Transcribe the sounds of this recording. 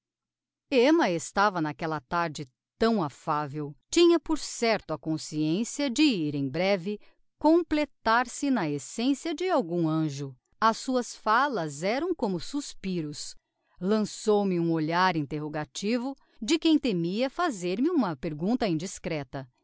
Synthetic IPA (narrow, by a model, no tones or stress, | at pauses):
emɐest̪avɐnakɛlɐt̪aɾd͡ʒɪ | t̪ɐ̃w̃afavewt͡ʃĩɲɐpoɾsɛɾt̪ʊɐkõsiẽsiɐd͡ʒɪiɾẽj̃bɾɛvɪ | kõplet̪aɾsɪnɐesẽsiɐd͡ʒɪawɡũɐ̃ʒʊ | ɐsːuɐsfalɐzɛɾɐ̃w̃kõmʊsuspiɾʊs | lɐ̃sowmɪũoʎaɾĩnt̪eɦoɡat͡ʃivʊ | d͡ʒɪkẽj̃t̪emiɐfazeɾmɪũmɐpeɾɡũnt̪ɐĩd͡ʒiskɾɛt̪ɐ